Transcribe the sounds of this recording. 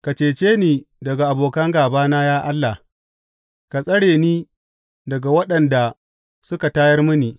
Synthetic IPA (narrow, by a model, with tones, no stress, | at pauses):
ka˨t͡ʃeː˨t͡ʃeː˦niː˨dɐ˨ɡa˨ʔa˨boː˨kɐ˦ŋɡaː˨baː˦naː˦jaː˦ʔa˦lːa˨h | ka˨sʼɐ˦ɽeː˨niː˦ | dɐ˨ɡa˨wɐ˦ɗɐ˨nda˨ | sʊ˦ka˨taː˦jɐ˦rmʊ˦niː˨